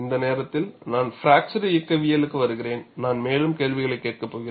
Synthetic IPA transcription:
ɪnd̪ɐneːɾɐt̪ːɪlnaːnfɪɾaːk̚t͡ʃɐɾɐɪɐkːɐʋɪjɐlɯkːɯʋɐɾɯɣɪɾeːnnaːnmeːlɯmkeːɭʋɪɣɐɭɐɪkːeːʈ̚kɐpːoːɣɪ

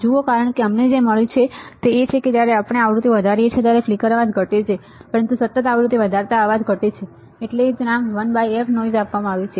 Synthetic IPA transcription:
d͡ʒuokaɾəɳkeəmned͡ʒeməɭjũt͡ʃʰet̪eːt͡ʃʰeked͡ʒjaɾeapəɳ̃eaʋɾut̪ʰiʋəd̪ʱaɾiet͡ʃʰet̪jaɾeflikəɾəʋad͡ʒɡʱəʈet͡ʃʰe | pəɾənt̪usət̪ːət̪aʋɾut̪iʋəd̪ʱaɾt̪aːʋad͡ʒɡʱəʈet͡ʃʰeː | ʈleːd͡ʒnamʋənbaiefʰnoizapʋamãaʋjũt͡ʃʰe

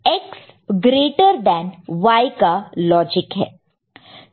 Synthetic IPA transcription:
ɛks | ɡɾeːʈəɾd̪ɛːnʋaːɪkalɔːd͡ʒɪkɦɛ̰ː

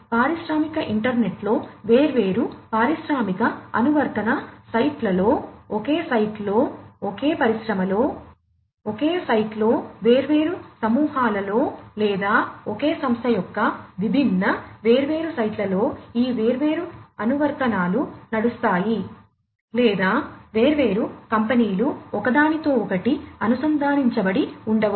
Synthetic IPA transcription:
paːɾiʃɾaːmikɐʔiɳʈɐɾneʈlo̞ːʋe̞ːɾuʋe̞ːɾupaːɾiʃɾaːmikɐɐ̰nuʋɐɾt̪ɐnɐsɐjʈlɐlo̞ːokeːsɐjʈlo̞ːoke̞ːpɐɾiʃɾɐmɐlo̞ː | oke̞ːsɐjʈlo̞ːʋeːɾuʋe̞ːɾusɐmuːɦaːlɐlo̞ːlɛːd̪aːɔkeːsɐmst̪ʰɐjɔkːɐʋibʱinːɐʋe̞ːɾuʋe̞ːɾusɐjʈlɐlo̞ːiːʋeːɾuʋe̞ːɾuɐnuʋɐɾt̪ɐnaːlunɐɽust̪aːji | lɛːd̪aːʋe̞ːɾuʋe̞ːɾukɐmpɐniːluɔkɐd̪aːnit̪o̞ːɔkɐʈiɐnusɐnd̪ʱaːniɲt͡ʃɐbɐɽiuɳɖɐʋ

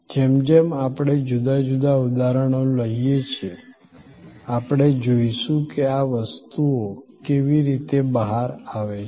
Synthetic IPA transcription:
d͡ʒemd͡ʒemapɽ̃ed͡ʒud̪ad͡ʒud̪aud̪aɾəɽ̃oləijet͡ʃʰe | apɽ̃ed͡ʒoiʃũkeaʋəst̪uokeʋiɾit̪ebəɦaɾaʋet͡ʃ

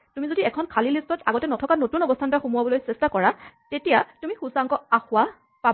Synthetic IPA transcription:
tumizodiɛkʰɔnkʰalilistɔtaɡɔtɛnɔtʰɔkanotunɔbɔstʰantɔɹaxumuwabɔlojsɛstakɔɹatetijatumixusaŋkɔaxʊwa | pa

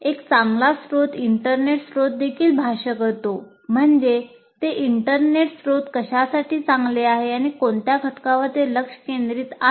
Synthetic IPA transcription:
ekt͡saŋɡlasɾot̪iɳʈəɾneʈsɾot̪̚d̪ekʰiːlbʱaɕəkəɾt̪o | m̤əɳd͡ʑe | t̪eʔiɳʈəɾneʈsɾot̪kəɕasaʈiːt͡sãŋɡleaɦeaɽ̃ikoɳt̪jaɡʱəʈkãʋəɾt̪eləkʂə̥kend̪ɾiːt̪a

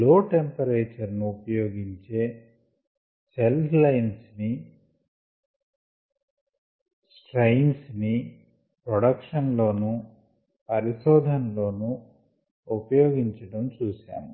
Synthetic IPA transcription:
loːʈempɐɾeːt͡ʃɐɾnuupɐjoːɡiɲt͡ʃe̞ː | selslɐjnsni | sʈɾɐjnsni | pɾɔɽɐkʂɐnlo̞ːnu | pɐɾiʃɔːd̪ʱɐnlo̞ːnu | upɐjoːɡiɲt͡ʃɐɽɐmt͡ʃuːsa̰ːmu

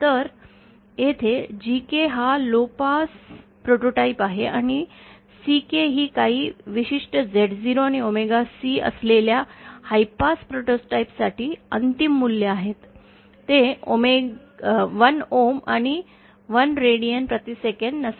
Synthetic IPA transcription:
t̪əɾ | jet̪ʰed͡ʑikeɦalopaspɾoʈoʈaipaɦeʔañi | sikeɦiːkaɦiːʋiɕiʂʈəd͡zeʈd͡ziɾoaɽ̃iomeɡasiːə̰sleljahajpaspɾoʈosʈaipsaʈiːə̰nt̪imːuljəaɦet̪ː | eo̰me | ʋənoma̰ɽ̃i | ʋənɾeɽijənpɾət̪isekəɳɖnəs

